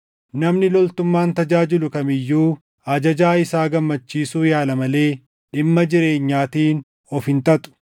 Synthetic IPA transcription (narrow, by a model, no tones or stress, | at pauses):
nɐmnɪlɔlt̪ʊmːaːnt̪ɐd͡ʒaːd͡ʒɪlʊkɐmɪjːuː | ɐd͡ʒɐd͡ʒaːɪsaːɡɐmːɐt͡ʃːiːsuːjaːlɐmɐle̞ː | ɗɪmːɐd͡ʒɪɾe̞ːɲːaːt̪iːn | ɔfɪnt̪ɐt̪ʼʊ̥